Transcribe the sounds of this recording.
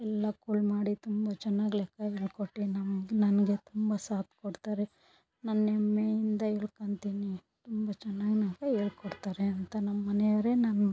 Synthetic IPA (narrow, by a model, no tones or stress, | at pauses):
ɛlːɐkulmaːɽit̪umbɐt͡ʃɛnːaːɡlɛkːɐeːɭkoʈːinɐmɡnɐnɡet̪umbɐsaːt̪ʰkoɽt̪aːɾe | nɐnːɛmːejind̪ɐeɭkɐɳt̪iːnit̪umbɐt͡ʃɛnːaːɡinakɐeːɭkoɽt̪aːɾeɐnt̪ɐnɐmːɐnɛjɐɾenɐn